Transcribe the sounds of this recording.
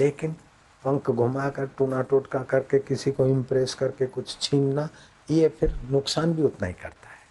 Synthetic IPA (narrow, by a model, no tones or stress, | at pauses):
leːkɪn | pɐ̃ŋkɡʱʊmakɐɾʈuːnaːʈoːʈkakɐɾkekɪsikoɪ̃mpɾeːskɐɾkekʊt͡ʃʰt͡ʃʰiːnna | ijepʰɪɾnʊksaːnbʱiʊt̪na̰ːikɐɾt̪ḁɦɛː